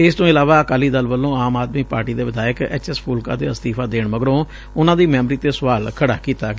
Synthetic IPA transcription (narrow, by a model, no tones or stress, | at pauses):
ɪst̪õːɪlaːʋaːəkaːliːd̪əlʋəlːõːaːmaːd̪miːpaːɾʈiːd̪eːʋɪd̪aːjəkɛ̰ːt͡ʃɛspʰuːlka̰ːt̪eːəst̪iːpʰaːd̪eːɳməɡəɾõː | ʊnãːd̪iːmɛːmɾiːt̪eːsʊʋaːlkʰəɽaːkiːt̪aːɡ